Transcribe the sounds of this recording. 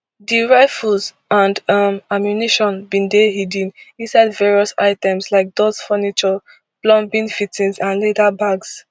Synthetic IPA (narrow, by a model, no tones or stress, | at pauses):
diɹaɪfulz | ãndʌmamjuniʃɔ̃nbĩndeɦidĩnĩnsaɪdvɛɹiɔsa̰ɪtɛ̃mslaɪk̚d̥oz̥fɔnit͡ʃɔ | plɔ̃mbĩnfitĩnsãnledabaɡs